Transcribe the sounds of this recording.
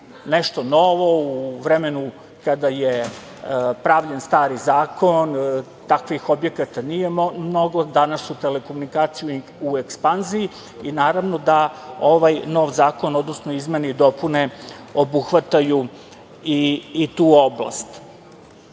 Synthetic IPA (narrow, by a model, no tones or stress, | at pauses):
nɛʃt̪o̞noʋo̞uʋɾemenu | kad̪aje | pɾaʋʎenst̪aːɾizaːkʰon | t̪akʋixobje̞kat̪anijemno̞ɡod̪anasut̪ele̞ko̞munikaːt̪siju | uekspanzii | inaːɾaʋno̞d̪aoʋajno̞ʋzaːko̞nod̪nosnoizmeneid̪o̞pune̞obuxʋat̪aju | iːt̪uːobla̰st̪